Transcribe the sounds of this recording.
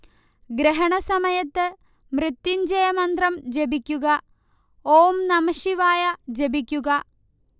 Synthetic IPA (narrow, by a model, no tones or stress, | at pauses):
ɡɾeɦɐɳɐsɐmɐjɐt̪ːɨ | mrɨt̪ːiɲd͡ʑɐjɐmɐnd̪rɐmd͡ʑe̞bikʲːuɣɐ | oːmnɐmɐʂiʋaːjɐd͡ʑe̞bikʲːuɣɐ